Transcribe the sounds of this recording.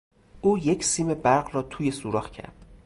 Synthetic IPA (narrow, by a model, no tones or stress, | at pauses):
ʔuːjecʰsiːme̞bæɾɢrɒːt̪ʰuːje̞suːɾɒːxcʰæ̰ɾd̪̥